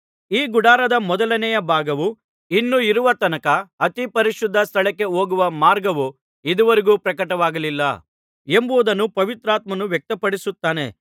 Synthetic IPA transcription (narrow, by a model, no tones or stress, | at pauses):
iːɡuɽaːɾɐd̪ɐmɔd̪ɐlɐnɛjɐbʱaːɡɐʋu | inːuiɾuʋɐt̪ɐnɐkɐːt̪ipɐɾiʃud̪ʱːɐst̪ʰɐɭɛkːe̞oːɡuʋɐmaːɾɡɐʋu | id̪uʋɐɾiɡuːpɾɐkɐʈɐʋaːɡɐlilːɐ̰ | embuʋːd̪ɐnːupɐʋit̪ɾaːt̪mɐnuʋjek̚t̪ɐpɐɽisut̪ːaːne̞̰